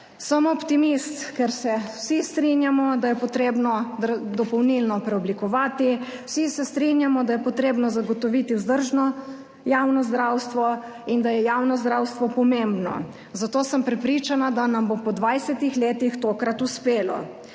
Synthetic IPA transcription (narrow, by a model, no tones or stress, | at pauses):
səmɔpt̪imist̪kɛɾsɛwsist̪ɾinjamɔd̪ajɛpɔt̪ɾeːbnɔd̪əɾd̪ɔpɔwnilnɔpɾɛɔblikɔʋaːt̪iwsisɛst̪ɾinjamɔd̪ajɛpɔt̪ɾeːbnɔzaɡɔt̪ɔʋit̪izd̪əɾʒnɔ | jaːwnɔzd̪ɾawst̪ʋɔ | ind̪ajɛjaːwnɔzd̪ɾaːwst̪ʋɔpɔmembnɔ̰ | zat̪oːsəmpɾɛpɾit͡ʃanad̪anambopɔd̪ʋajsɛt̪ixleːt̪ixt̪oːkɾat̪uspeːlɔ̰